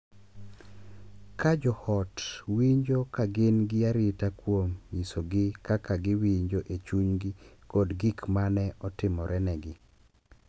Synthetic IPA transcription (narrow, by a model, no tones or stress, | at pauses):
kad͡ʒɔhɔtwiɲd͡ʒokaɡɪnɡɪaɾɪtakwomjisoɡɪkakaɡɪwiɲd͡ʒoʔet͡ʃuɲɡɪkodɡikmanɛʔɔtɪmɔɾʔɛnɛɡɪ